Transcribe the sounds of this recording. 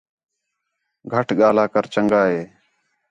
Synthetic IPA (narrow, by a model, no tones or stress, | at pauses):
ɡʱəʈɠaːlaːkəɾt͡ʃəŋɡaːeː